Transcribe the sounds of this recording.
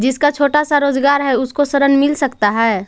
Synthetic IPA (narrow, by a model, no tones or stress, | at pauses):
d͡ʒɪskat͡ʃʰoːʈasaɾoːd͡ʒɡaːɾɦɛʊskosɐɾənmɪlsɐkt̪aɦɛː